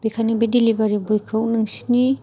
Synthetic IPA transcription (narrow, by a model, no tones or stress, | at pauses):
b̥ekʰanibedilibaɾibujkʰɯwnɯŋsi̥ni